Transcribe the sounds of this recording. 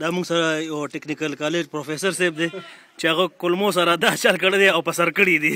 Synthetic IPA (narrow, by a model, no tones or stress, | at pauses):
d̪aːmuŋɡsaɾajaʈeknikalkɑled͡ʒpɾofesɐɾseb̚d̪e | t͡ʃeaɣakʊlmosaɾad̪at͡ʃalkəɽed̪eawpɐsɐɾkəɽid̪i